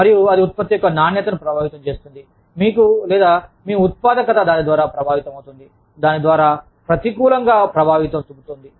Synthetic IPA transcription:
mɐɾijuɐd̪iut̪̚pɐt̪ːjijɔkːɐnaːnjɐt̪ɐnupɾɐbʱaːʋit̪ɐmt͡ʃe̞ːst̪und̪i | miːkulɛːd̪aːmiːut̪̚paːd̪ɐkɐt̪ɐd̪aːnid̪ʋaːɾaːpɾɐbʱaːʋit̪ɐmɐwut̪und̪i | d̪aːnid̪ʋaːɾaː | pɾɐt̪ikuːlɐŋɡaːpɾɐbʱaːʋit̪ɐmt̪ubut̪oːnd̪i

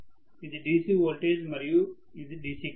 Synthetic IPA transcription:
id̪ɖiːsiʋoːlʈeːd͡ʒmɐɾjuː | izɖiːsi

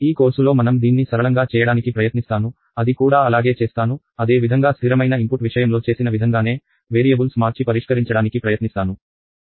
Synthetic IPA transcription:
iːko̞ːɾsulo̞ːmɐnɐmd̪iːnːisɐɾɐɭɐŋɡaːt͡ʃɛːjɐɽaːnikipɾɐjɐt̪nist̪aːnu | ɐd̪ikuːɽaːɐlaːɡeːt͡ʃe̞ːst̪aːnu | ɐd̪e̞ːʋid̪ʱɐŋɡaːsiɾɐmɐjnɐimpuʈʋiʂɐjɐmlo̞ːt͡ʃe̞ːsinɐʋid̪ʱɐŋɡaːne̞ː | ʋe̞ːɾijɐbulsmaːɾt͡ʃipɐɾiʂkɐɾiɲt͡ʃɐɽaːnikipɾɐjɐt̪nist̪aːnu

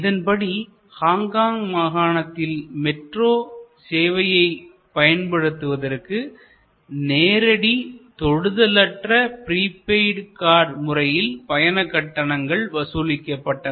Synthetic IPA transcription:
ɪðɐnpɐɽi | haːŋɡaːŋmaːɣaːɳɐt̪ːɪlmɛʈroːseːʋɐjɐɪ | pɐjɐnpɐɽɯt̪ːɯʋɐðɐrkɯ | neːɾɐɽit̪ɔɻɯðɐlɐʈrɐpɪɾiːpeɪɖkaːɾmʊrɐjɪlpɐjɐnɐkːɐʈːɐɳɐŋɡɐɭʋɐsuːlɪkːɐpːɐʈːɐ

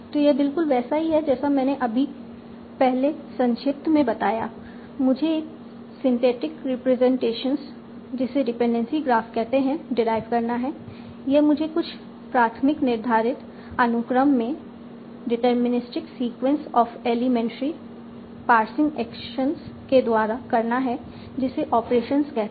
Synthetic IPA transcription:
t̪ojebɪlkʊlʋɛːsaɦiɦɛd͡ʒɛːsamɛ̃ːneʔɐbʱi | pɛɦlesɐ̃nʃɪp̚t̪ʰmẽbɐt̪aːja̰ː | mʊd͡ʒʱeːk | sɪ̃nt̪eːʈɪkɾɪpɾɛzɛ̃ɳʈeːʃəns | d͡ʒɪseɖɪpẽɳɖɛ̃nsiɡɾaːfʈkɛɦt̪eɦɛ̃ɖɪɾaːɪʋkɐɾnaɦɛ | jeɦmʊd͡ʒʱekʊt͡ʃʰ | pɾaːt̪ʰmɪknɪɾd̪ʱaːɾɪt̪ | ɐnʊkɾəmːẽ | ɖɪʈəɾmɪnɪsʈɪksiːkwə̃nsɔːfeːlɪmɛ̃ːɳʈɾi | paːɾsɪ̃ŋɡɛːkʃənsked̪waːɾakɐɾnaɦɛ | d͡ʒɪseʔɔːpɾeːʃənskɛɦt̪

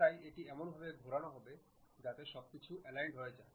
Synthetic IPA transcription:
ajeʈiɛmonbʱabeɡʱoɾanaɦɔbe | d͡ʑat̪eʃɔb̚kit͡ɕʰuʔɛlajɳɖɦoed͡ʑae

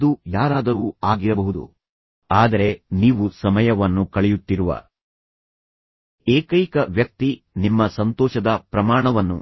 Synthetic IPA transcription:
d̪ujaːɾaːd̪ɐɾuaːɡiɾɐbɐɦud̪ṵ | aːd̪ɐɾe̞niːʋusɐmɐjɐʋɐnːukɐɭɛjut̪ːiɾuʋɐ̰ | eːkɐjkɐʋjɐk̚t̪i | nimːɐsɐnt̪ɔːʃɐd̪ɐpɾɐmaːɳɐʋɐnːṵ

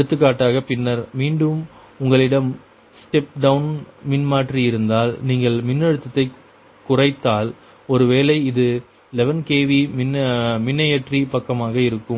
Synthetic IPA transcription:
ɐɽɯt̪ːɯkːaːʈːaːɣɐpɪnːɐɾmiːɳɖɯm | ʊŋɡɐɭɪɽɐm | sʈɛp̚ɖɐʋʊnmɪnmaːʈriɪɾɯnd̪aːlniːŋɡɐɭmɪnːɐɽɯt̪ːɐt̪ːɐɪ | kːʊrɐɪt̪ːaːl | ɔɾɯʋeːlɐɪɪðɯ | lɛʋɐnkeːʋimɪnːmɪnːɐjɐʈripɐkːɐmaːɣɐɪɾɯkːɯm

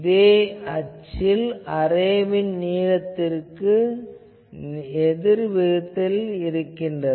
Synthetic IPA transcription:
ðeːɐt͡ʃːɪlɐrɐjʋɪnniːɻɐt̪ːɪrkɯ | ɛðɪɾʋɪɻɯt̪ːɪlɪɾɯkːɪndɐ

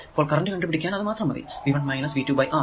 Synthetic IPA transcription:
ipːoːɭkɐrɐnʲdɨʋeɳɖɨpiɽikʲːaːnɐðɨmaːt̪rɐmɐðḭʋiːʋɐɳɖmɐjnɐsʋiːtːuːbɐjʔaː

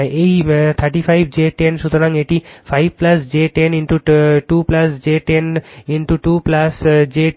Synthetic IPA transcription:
eit̪ʰəɾʈifʰaɪbd͡ʒeːʈẽnʃut̪nãŋeʈifʰaɪbplɐsd͡ʒeːʈenĩɳʈuʈuːplɐsd͡ʒeːʈeniɳʈuʈuːplɐsd͡ʒeː

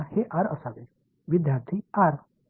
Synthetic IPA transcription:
heʔaɾə̰saʋe | ʋid̪ʱjaɾt̪ʰiaɾ

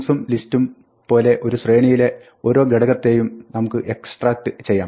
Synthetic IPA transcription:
sumlistum | po̞ːle̞ʔo̞ɾusre̞ːnɐjile̞ | o̞ːɾo̞ːɡeɽɐɣɐt̪ːe̞jumnɐmukːɨʔe̞ksʈraːk̚ʈɨt͡ɕe̞jːaːm

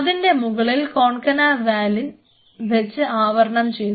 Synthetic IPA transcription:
ɐðinde̞muɣɐɭilko̞ːɳkɐnaːʋaːlin | ʋet͡ɕːɨaːʋɐɾɐɳɐmt͡ɕe̞j

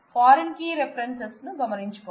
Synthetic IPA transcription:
paːɾɐnkiːɾepʰɐɾensesnuɡɐmɐniɲt͡ʃipoː

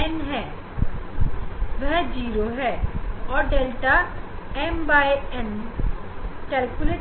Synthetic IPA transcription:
ɛnɦɛ̃ː | ʋɛɦd͡ʒiːɾoɦɛːɔːɾɖeːlʈaɛmbaːeɛn | kɛɾkule

